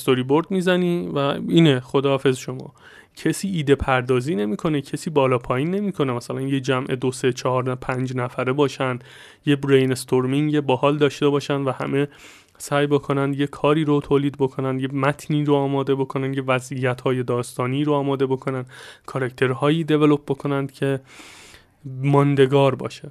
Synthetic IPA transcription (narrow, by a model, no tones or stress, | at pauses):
st̪o̞ɾiːboɾd̪miːzæniːvæiːneχod̪ɒːɒːfe̞zʃo̞mɒ̰ː | cʰe̞siːiːd̪e̞pʰæɾd̪ɒːziːne̞miːkʰo̞ne̞cʰe̞siːbɒːlɒːpʰɒːjiːnːe̞miːkʰo̞nemæsælænjed͡ʒæmʔe̞d̪ose̞t͡ʃʰɒhɒːɾpʰænd͡ʒnæfæɾebɒːʃænd̪ | jebɾejnest̪ʰoɾmiŋebɒːhɒːld̪ɒːʃt̪e̞bɒːʃænd̪væhæ̰me̞ | sæːjbo̞kʰo̞nænd̪jekʰɒːɾiːɾot̪ʰoːliːd̪bo̞kʰo̞nænd̪jemæt̪ʰniːɾoɒːmɒːd̪e̞bo̞kʰo̞nænd̪jevæzʔijæt̪hɒːje̞d̪ɒːst̪ɒːniːɾoɒːmɒːd̪e̞bo̞kʰo̞nænd̪kʰɒɾæct̪ʰe̞ɾhɒːjiːd̪e̞velo̞p̚bo̞kʰo̞nænd̪̥cʰe̞ | mɒnd̪e̞ɡɒːɾbɒ̰ːʃe